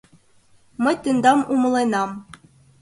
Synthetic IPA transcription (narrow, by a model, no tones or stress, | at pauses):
mɤ̆jt̪ɯnd̪ɑmumlˠɤnɑm